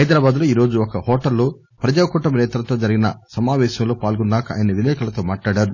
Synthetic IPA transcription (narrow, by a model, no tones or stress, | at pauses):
ɦɐjd̪ɾaːbaːd̪loːiːɾo̞ːd͡ʒuɔkɐhɔːʈɐlːo | pɾɐd͡ʒaːɐkɔːʈːɐmnɛːt̪ɾɐt̪o̞ːd͡ʒɐɾiɡinɐ̰sɐmaːʋɛːʃɐmlo̞ːpaːlɡɔnːaːkɐa̰ːjɐnɐʋinɛːkɐlɐt̪o̞ːmaːʈlaːɽaːɾu